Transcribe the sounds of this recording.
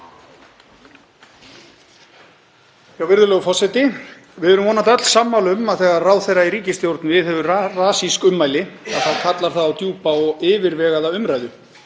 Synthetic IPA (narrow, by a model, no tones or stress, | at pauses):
awvɪɾðʏlœːɣʏfɔsɛjt̪ɪ | vɪðɛɾʏmvɔːnat̪ɛt̪l̥saːmːalʏmaðθɛːɣaraːwðθɛjrːaiɾiːcɪst̪jowɾt̪nvɪðhɛvʏraːsiskʏmːaːjlɪaðθaðkʰat̪laɾ̥θaðawt̪juːpaɔɣɪːvɪɾvɛːɣaðaʏmɾajðʏ